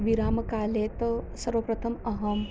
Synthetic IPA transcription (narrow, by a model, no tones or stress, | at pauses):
ʋiɾaːmɐkaːleːt̪ɐsɐɾʋəpɾɐt̪ʰɐmɐɦɐm